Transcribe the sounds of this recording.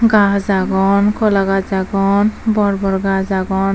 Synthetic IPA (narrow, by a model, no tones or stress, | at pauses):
ɡãzaɡɔnkʰɔlaɡazaɡɔnbɔɾbɔɾɡazaɡɔn